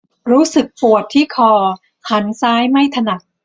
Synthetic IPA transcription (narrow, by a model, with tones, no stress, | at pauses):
ɾuː˦˥sɯ˨˩k̚pu˨˩ət̪ʰːiː˥˩kʰɔː˧ | ha˩˦nsaː˦˥jma˥˩jt̪ʰa˧na˨˩k̚